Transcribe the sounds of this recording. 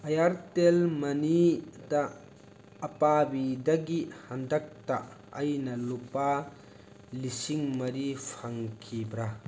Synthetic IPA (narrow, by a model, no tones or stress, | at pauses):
ɐjaɾtelmɐnita | ɐpabidɐɡihɐndɐk̚taʔ | ɐjnɐlupa | lisiŋmɐɾipʰɐŋkʰibɾa